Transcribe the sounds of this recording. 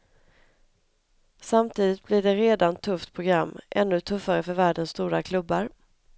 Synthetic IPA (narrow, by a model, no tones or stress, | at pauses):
samt̪ʰiːd̪ɪt̪̚blɪɖɛɾeːd̪ant̪ʰɵft̪pʰɾʊɡɾamːʔɛ̰nːɵt̪ʰɵfːaɾəfœɾvæːɖənst̪uːɾakʰlɵbːaɾ